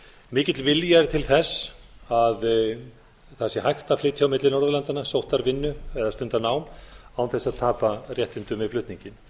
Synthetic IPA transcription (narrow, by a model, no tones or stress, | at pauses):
mɪːcɪt̪lvɪljaɾt̪ʰɪlθɛsað | θɛsːɪhajxt̪aflɪːt̪ʰjawmɪt̪lɪnɔɾðʏlant̪anasowht̪aɾvɪnːʏɛðast̪ʏnt̪anaːwmawθɛsːaðt̪ʰaːparjɛht̪ɪnt̪ʏmɪflʏht̪niɲcɪn